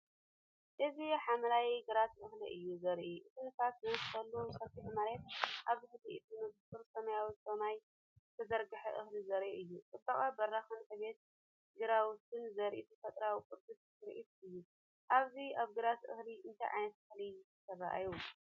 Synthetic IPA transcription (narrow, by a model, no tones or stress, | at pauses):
ʔɨziħamɐlawiɡɨɾat̪ʔɨxliʔɨjːuzɐɾʔiʔɨt̪ʰinɨsat̪zɨwɨskʰɐlːozɨsɐt̪ʰit̪ɨmalet̪̚ʔaβɨxliʔɨt̪ʰinɨɡt̪ʼɨɾsɐmɐjawisɐmaj | t̪ʰɐzɐɾɡɨħɐʔɨxlizɐɾʔiʔɨjːuk̪ʼɨt̪ʼːɐχʼabɐrːaxɨnsɐβe̞t̪̚ | ɡɨɾawʊt̪ʰɨnzɐɾʔit̪ʰifɐt̪ʼɾawikʼɨɾd̪ust̪ʰɨɾʔit̪ɨjːu | ʔaβziaβɡɨɾat̪ʔɨ̰xliʔɨnt̪ʰajʕa̰jnɐt̪ɨxli | sʰɐra̰ʔa̰j